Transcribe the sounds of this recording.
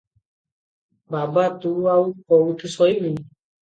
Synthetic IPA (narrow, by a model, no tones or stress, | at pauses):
babat̪uaukɔuʈʰusɔimĩ